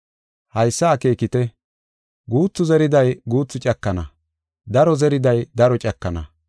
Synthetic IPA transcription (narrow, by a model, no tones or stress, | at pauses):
hɐjsːaːke̞ːkɪt̪ɛ | ɡuːt͡sːʊzɛɾɪd̪ɐjɡuːt͡sːʊt͡ʃʼɐkːɐnɐ̰ | d̪ɐɾɔzɛɾɪd̪ɐjd̪ɐɾɔt͡ʃʼɐkːɐnɐ̰